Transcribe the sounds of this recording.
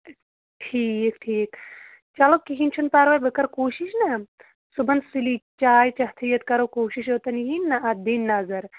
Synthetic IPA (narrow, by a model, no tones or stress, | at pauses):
ʈʰiːkʈʰiːk | t͡ʃɐlokːiɦint͡ʃʰunpaːɾʋɐjbɨkɐɾkoːʃiʃnɐ | subɐnsilit͡ʃaːjt͡ʃɐɦt̪ʰijɐt̪kɐɾokoːʃiʃoːt̪ɐnɦinːɐʔɐb̪inːɐzɐɾ